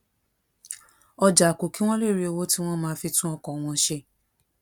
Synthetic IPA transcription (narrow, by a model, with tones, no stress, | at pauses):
ɔ˧d͡ʒa˨ko˨ki˦w̃ɔ̃˦le˦˨ɾi˧˦o˧wo˦ti˦w̃ɔ̃˦mãː˧˦˧fi˧tũ˦ɔ˦˧kɔ̃˨w̃ɔ̃˧˦ʃe˧˦